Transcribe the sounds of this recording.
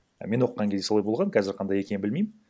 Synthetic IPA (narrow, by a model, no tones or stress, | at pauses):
me̞nwo̞qːɑŋkʲʰed̪soɑjbolˠʁɑnŋkʲʰɑzɪɾqʰɑnd̪ɑje̞kʲe̞nɪbɪlmejmɪn